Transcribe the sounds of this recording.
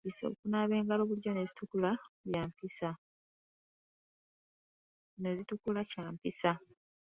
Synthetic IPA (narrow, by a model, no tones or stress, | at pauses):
iso̰kunaβe̞ːŋɡaloβuɟo̞ne̞zitukulaβjaːmpisa | ne̞zitukulacaːmpisa